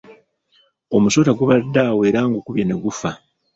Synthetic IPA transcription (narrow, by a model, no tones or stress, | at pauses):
o̞muso̞ːtaɡuβadːaːwe̞ːɾaːŋɡukuβjeneɡufa